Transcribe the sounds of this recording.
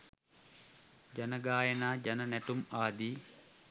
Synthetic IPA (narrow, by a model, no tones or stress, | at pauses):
d͡ʒanəɡaːjənaːd͡ʒanənæʈumaːd̪iː